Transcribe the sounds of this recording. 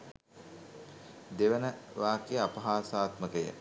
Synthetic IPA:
d̪eʋənəʋaːkejəapɐɦaːsaːt̪məkəjə̰

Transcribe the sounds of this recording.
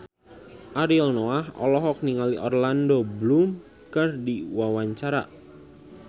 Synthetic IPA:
ʔaɾilnoahɔ̰lɔɦɔk̚niŋaliʔɔrlandoblum | kərdiwawaɲt͡ʃaɾa̰

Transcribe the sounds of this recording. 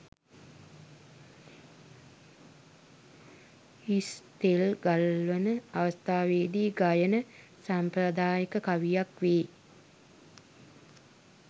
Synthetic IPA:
ist̪elɡalʋənəaʋəst̪aːʋeːd̪iːɡajənə | sampɾəd̪aːjəkəkaʋijakʋeː

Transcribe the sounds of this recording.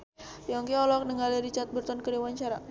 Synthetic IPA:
jɔŋkiɔlɔk̚nəŋɡaliɾit͡ʃat̪̚bərt̪ɔnkəɾewaɲt͡ʃaɾa

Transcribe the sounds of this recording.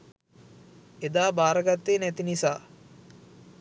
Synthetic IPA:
ed̪aːbaːɾəɡat̪ːeːnɛt̪inisaː

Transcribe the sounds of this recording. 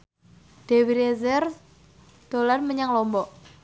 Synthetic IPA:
d̥e̤wiɾezɛr | d̪̥o̤lanməɲaŋlɔmbɔʔ

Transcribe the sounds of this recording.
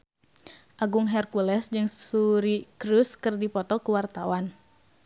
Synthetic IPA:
ʔaɡuŋɦɛrkulɛsd͡ʒɨŋsuɾikɾuskɨrdipɔt̪ɔkuwart̪awan

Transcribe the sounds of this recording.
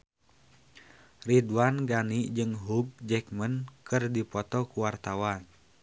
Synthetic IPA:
ridwanɡanid͡ʒɨŋɦuɡ̚d͡ʒɛk̚mənkɨrdipɔt̪ɔkuwart̪awan

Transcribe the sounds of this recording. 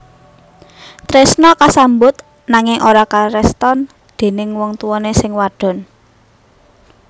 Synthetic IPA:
t̪ɾesnɔkasambʊt̪̚ | naŋɪŋʔoɾakaɾɛst̪ɔn | d̪̥e̤nɪŋwɔŋt̪uwɔnesɪŋwaɖ̥ɔ̤n

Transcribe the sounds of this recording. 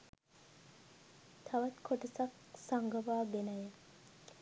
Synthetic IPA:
t̪ʰaʋɐt̪kʰoʈɐsak̚ | saŋɡəʋaːɡenajə

